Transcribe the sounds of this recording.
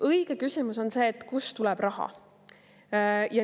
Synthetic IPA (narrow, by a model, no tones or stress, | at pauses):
ʔɤiɡ̥e̞kysimuso̞nse̞ːt̪ːˑkust̪ulɛb̥rɑɦɑ̰ | jɑ